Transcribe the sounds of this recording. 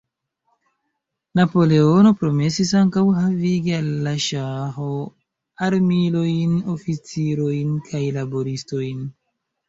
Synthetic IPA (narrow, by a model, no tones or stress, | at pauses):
napo̞le̞o̞no̞pɾo̞me̞sisaŋkawɦaviɡialːaʃaɦo̞ | aɾmilo̞jno̞fit͡siɾo̞jnkʰajlabo̞ɾisto̞jn